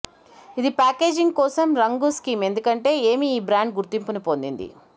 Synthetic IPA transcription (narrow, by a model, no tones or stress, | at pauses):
id̪ipaːke̞ːd͡ʒiŋɡkɔːsɐmɾɐŋɡuskiːme̞nd̪ukɐɳʈe̞ːe̞ːmiːbɾaːɳɖɡuɾt̪impunipo̞nd̪ḭnd̪ḭ